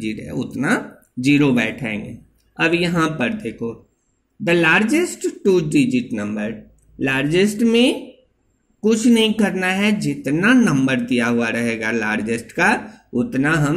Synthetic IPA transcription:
d͡ʒɪʈɦɛ̰ʊ̰t̪na | d͡ʒiːɾobɛ̰ːʈʰḛ̃ːŋɡḛː | ɐbjɐɦãpɐɾd̪eːkʰoː | d̪əlaːɾd͡ʒɪsʈʈuːɖɪd͡ʒɪʈnɐ̃mbəɾ | laːɾd͡ʒɪsʈmẽ | kʊt͡ʃʰnɐɦĩkɐɾnaɦɛd͡ʒɪt̪nanɐ̃mbəɾd̪ijaɦʊaɾɐɦeːɡalaːɾd͡ʒɪsʈkaʊt̪naɦɐm

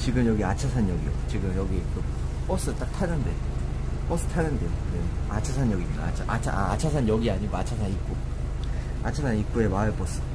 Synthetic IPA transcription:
t͡ɕiɡɯmjʌɡiat͡ɕʰasʰanjʌɡijo̰t͡ɕiɡɯmjʌɡiek͈ɯ | p͈ʌs͈ɯt͈ak̚tʰanɯnde | p͈ʌs͈ɯ̥tʰanɯndejoneat͡ɕʰasʰaɲjʌɡia̰t͡ɕʰat͡ɕʰaaat͡ɕʰasʰanjʌɡiaɲiɡoat͡ɕʰasʰaɲik̚k͈o | a̰t͡ɕʰasʰaɲik͈oe̞maɯɭp͈ʌs͈ɯ̥

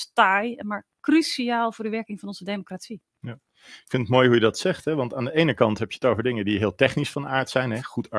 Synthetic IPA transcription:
stajɛmaːɹ | krysiaːlˠvʊːɹdəʋɛɹkɪŋfɑnɔnzədejmokratsi | ja | ɪkfɪntətmoːjɦujədɑtsɛχtɦɛʋɑntaːndəejnəkɑntɦɛpjəətowvəɹdɪŋədiɦɪːlˠtɛχnisfɑnaːɹtsɛjnɦɛχutʰa

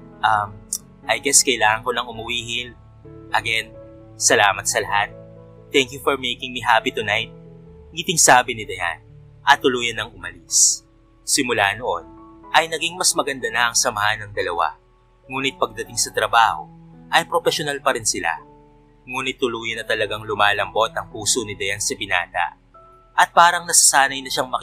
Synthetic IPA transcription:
ʔɐm | ʔɐjɡɛskɐʔjlaːŋɐŋko̞nɐŋʊmʊwiːhɪl | ʔɐɡɛn | sɐlaːmɐt̪̚sɐlɐhat̪̚ː | ɛŋkjufoɹmejkɪŋmiɦapit̪ʊnajt̪̚ɡɪt̪ɪŋsaːbɪnɪd̪ɐha̰n | ʔɐt̪ːʊluːjɐnːɐŋʊmɐlis | sɪmʊlaːnoʔo̞̰nʔɐjnɐɡiŋmɐsmɐɡɐnd̪anɐʔɐŋsɐmɐhɐnɐŋd̪ɐlɐ̰wa̰ | ŋuːnɪt̪̚pɐɡ̚d̪ɐt̪ɪŋsɐt̪ɾɐbaːho̞̰ʔɐjpɾofɛʃonalpɐɾɪnsɪla̰ | ŋuːnɪt̪ːʊluːjɐnɐt̪ɐlɐɡaŋlʊmaːlɐmbo̞t̪ɐŋpuːsonɪd̪ɐjansɐpɪna̰ːt̪ɐ̰ | ʔɐt̪̚paːɾɐŋnɐsɐsaːnɐjnɐʃaŋmɐk

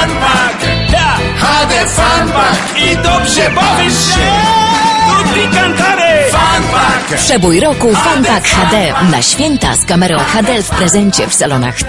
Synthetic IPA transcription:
xad̪ɛfanbakid̪ɔbʐɛpɔv | upʲikant̪aɾefanakpʂɛbujɾɔkufanbakxad̪ɛna̰ɕfʲjɛnt̪a̰skamɛɾɔ̃w̃xad̪ɛfpɾɛzɛɲt͡ɕɛfsalɔna̰x

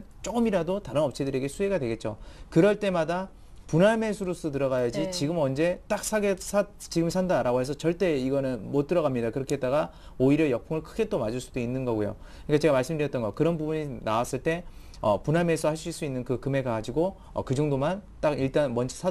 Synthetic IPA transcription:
t͡ɕ͈oɡɯmiɾadotaɾɯnʌp̚t͡ɕʰedɯɾe̞ɡe̞sʰue̞ɡadwe̞ɡe̞t̚t͡ɕ͈okɯɾʌɭt͈e̞mada | punɦaɭmesʰuɾus͈ʰɯt̬ɯɾʌɣajad͡ʑit͡ɕiɡɯmʌnd͡ʑe̞t͈ak̚sʰaɡesʰat͡ɕiɡɯmsʰandaɾaɡoɦe̞s̬ʰʌt͡ɕʌɭt͈e̞iɡʌnɯnmot͈̚ɯɾʌɣamɲidakɯɾʌkʰeet̚t͈aɡa | oiɾjʌjʌk̚pʰuŋɯɭkʰɯɡe̞t͈omad͡ʑuɭs͈u̥doinːɯnɡʌɡujo̰ | ɯɲk͈at͡ɕe̞ɡamaɭs͈ɯmdɯjʌt͈ʌnɡʌkɯɾʌnbubuɲinawas͈ɯɭt͈e̞ | ʌpunɦaɭmes͈ʰʌhaɭɕs͈iɭs͈uinːɯnkɯkɯme̞ɡaɡad͡ʑiɡo | ʌ̰kɯd͡ʑuŋdomant͈aɡiɭt͈anmʌnd͡ʑisʰ

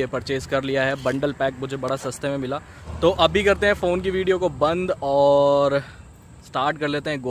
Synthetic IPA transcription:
epɐɾt͡ʃeːskɐɾlijaɦɛːbɐ̃ɳɖəlpɛːk̚mʊd͡ʒʱebɐɽasɐst̪ʰemẽmɪlaː | t̪oːʔɐbʱikɐɾt̪eɦɛ̃foːnkiʋiːɖijokobɐ̃nd̪ɔːɾ | sʈaːɾʈkɐɾleːt̪eɦɛ̃ɡoː

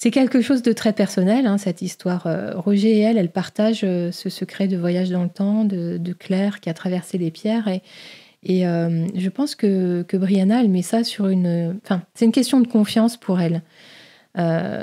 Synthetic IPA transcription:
sɛkʲɛlkəʃozd̪ət̪χɛpɛʁsɔnɛlɛ̃sɛt̪ist̪waʁø̰ʁɔʒeɛlɛlpaʁt̪aʒøsəsəkχɛd̪əvwajaʒd̪ɑ̃lət̪ɑ̃d̪əd̪əklɛʁkʲiat̪χavɛʁselepjɛʁeː | ømʒəpɑ̃skəkəbʁijanaɛlmɛsasyʁynøɑ̃fɛ̃sɛt̪ynkʲɛst̪jɔ̃d̪əkɔ̃fjɑ̃spʰuʁɛl | ø̰

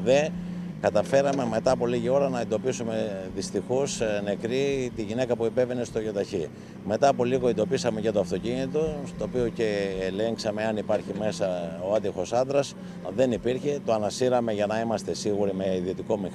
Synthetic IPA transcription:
ðe̞ | kɐt̪ɐfe̞ɾɐme̞me̞t̪ɐːpo̞liʝio̞ɾɐnɐend̪o̞pisume̞ðist̪ixo̞sne̞kɾit̪iʝine̞kɐpuipe̞ve̞ne̞st̪oʝo̞t̪ɐçi | me̞t̪ɐːpo̞liɣo̞end̪o̞pisɐme̞cet̪oɐft̪o̞cinit̪o̞st̪o̞ːpio̞ce̞ːle̞ŋksɐme̞ɐnipɐɾçime̞sɐoɐt̪ixo̞sɐnd̪ɾɐs | ðe̞nipiɾçe̞t̪o̞ɐnɐsiɾɐme̞ʝɐnɐimɐst̪e̞siɣuɾimeiðio̞t̪iko̞mix

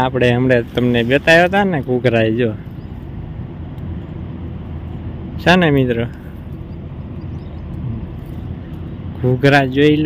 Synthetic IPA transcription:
apɽeɦəmɽet̪əmnebjət̪ajot̪aneɡʱuɡʱɾajd͡ʒo | ʃanemit̪ɾo | ɡʱuɡʱɾad͡ʒoil

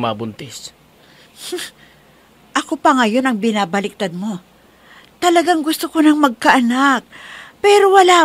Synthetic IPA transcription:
mabʊnt̪ɪs | ʔɐko̞pɐŋɐjo̞nɐŋbɪnaːbɐlɪk̚t̪ad̪̚mo̞ | t̪ɐlɐɡaŋɡʊst̪okonɐŋmɐɡ̚kɐʔɐnak̚pɛːɾo̞wɐlaː

